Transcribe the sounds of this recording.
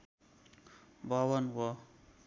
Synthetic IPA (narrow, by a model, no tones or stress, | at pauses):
bʌwʌnwʌ